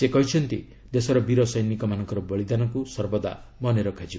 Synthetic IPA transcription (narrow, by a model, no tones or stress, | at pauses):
sekɔɦit͡ʃʰɔnt̪i | d̪esɔɾɔbiɾɔsɔjnikɔmanɔŋkɔɾɔbɔɭid̪anɔkusɔɾbɔd̪a̰ | mɔneɾɔkʰad͡ʒi